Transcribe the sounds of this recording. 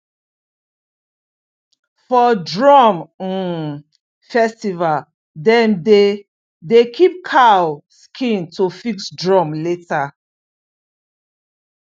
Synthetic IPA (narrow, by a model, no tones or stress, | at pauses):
fɔdɹɔm̩ | fɛstival | dɛ̃mde | dekʰip̚kʰawskʰĩntofiksdɹɔmleta